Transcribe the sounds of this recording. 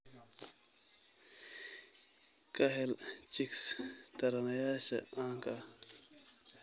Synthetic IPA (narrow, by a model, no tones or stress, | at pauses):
kɐɦelt͡ɕikst̪ɐɾɐnɐjaːɕɐ̰ãːŋka